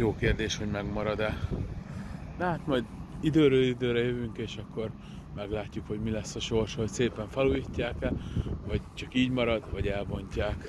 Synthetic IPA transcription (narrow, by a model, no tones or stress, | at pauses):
joːkeːrd̪eːʃho̞ɟmɛɡmɒɾɒd̪ɛ | d̪ɛɦat̪mɒjd̪id̪øːɾøːlid̪øːɾɛjøvyŋkeːʃɒkːo̞r | mɛɡlaːcːukho̞ɟmilɛsːɒʃo̞rʃhocseːpɛɱfɛluːjicːaːkɛlvɒɟt͡ʃɒkiːɟmɒɾɒd̪vɒɟɛlbo̞ɲcaːk